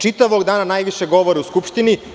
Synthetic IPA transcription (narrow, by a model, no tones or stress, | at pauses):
t͡ʃit̪aʋoɡd̪aːnanaːjʋiʃeɡo̞ʋoɾeuskupʃt̪ini